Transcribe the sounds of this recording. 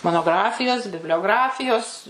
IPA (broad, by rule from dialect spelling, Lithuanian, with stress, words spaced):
moːnoːˈɡrɑːfʲɪjoːs bʲɪbʲlʲoːˈɡrɑːfʲɪjoːs